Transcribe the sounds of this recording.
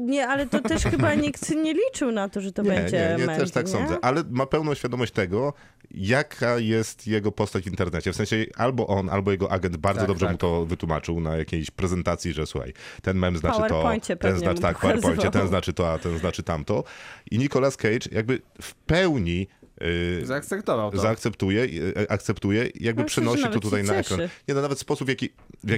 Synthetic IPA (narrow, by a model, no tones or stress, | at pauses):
ɲɛalɛt̪ɔtɛʂxɘbaɲikt̪ɲɛlʲit͡ʂɨwnat̪ɔʐɛt̪ɔɲbɛɛɲd͡ʑɲɛɛɲɛt̪ɛʂt̪ak̪sɔ̃nzɛʔalɛmapɛwnɔ̃w̃ɕfʲjad̪ɔmɔɕt͡ɕt̪ɛɡɔ | jakʰajɛst̪jɛɡɔpɔst̪ad͡ʑvʲint̪ɛɾnɛt͡ɕɛfsɛ̃ɕɛalbɔʔɔnʔa̰lbɔjɛɡɔʔaɡɛnd̪̚baɾd̪zɔd̪ɔbʐɛmut̪ɔvɘt̪wuma̰t͡ʂɘwnajakʲejɕpɾɛzɛnt̪at̪sʲjiʐɛsuxa̰jt̪ɛnmɛmznatt̪ɔɲt͡ɕɛt̪ɛnzat̪akpawɛɾpɔɲt͡ɕɛt̪ɛnznat͡ʂɘt̪ɔat̪ɛnznat͡ʂɘt̪amt̪ɔʔiɲikɔlaskɛjt͡ʂjʔa̰ɡ̚bɘfpɛwɲi | zakt̪sɛpt̪ɔvawzzaːkt̪sɛpt̪ujɛiʔak̚t̪sɛpt̪ujɛḭjaɡ̚bɘpʂɛnɔɕiɔt̪ut̪ajnaɛkɾanɲɛnɔnavɛt̪spɔsupvjakʲi | vja